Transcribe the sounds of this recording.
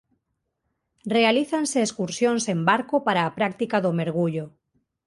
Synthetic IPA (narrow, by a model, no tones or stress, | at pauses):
realiθanseːskuɾsjonsembaɾkopaɾaːpɾak̚t̪ikaðomeɾɣ̞uʎo